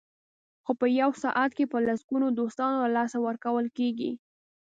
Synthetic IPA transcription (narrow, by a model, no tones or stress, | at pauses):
xopəjawsɑʔat̪̚kepəlasɡunod̪ost̪ɑnolalɑsawəɾkawəlkeɡḭ